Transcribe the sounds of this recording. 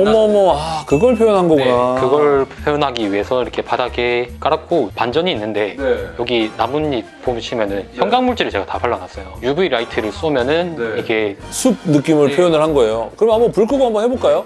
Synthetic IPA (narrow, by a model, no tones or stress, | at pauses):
ʌmʌmʌakɯɡʌɭpʰjojʌnɦanɡʌɡunakɯɡʌɭpʰjojonɦaɡiɥie̞sʰʌiɾʌkʰe̞padaɡe̞k͈aɾak͈opand͡ʑʌɲiːnːɯnde̞jʌɡinamunːi | pomɕʰimjʌnɯnçjʌŋɡaŋmuɭt͡ɕ͈eɾɯɭt͡ɕe̞ɡatapaɭːanas͈ʌjojubuiɾaitʰɯɾɯɭs͈ʌmjʌnɯnikʰe̞sʰub̚nɯk͈imɯɭpʰjojonɯɭhanɡʌe̞jokɯɾʌmamopuɭk͈ʰuɡohambʌnheboɭk͈ajo